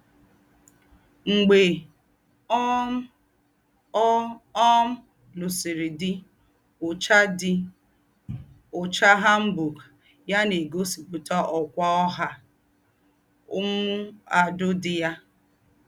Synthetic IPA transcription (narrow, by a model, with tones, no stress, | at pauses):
ŋ͡m̩˨ɡ͡be˨˦ | ɔ˦m̩˦ | lu˨si˨ɾi˨dɪ˦ | ʊ˨t͡ʃa˦dɪ˦ | ʊ˨t͡ʃa˦ɦa˦m̩˦bu˨ɡ | ja˦ne˨ɡo˦si˨pu˨ta˦ʔɔ˨kʷa˦ɔ˦ɦa˦ | ʊ˦mu˦a˨dʊ˦dɪ˨ja˦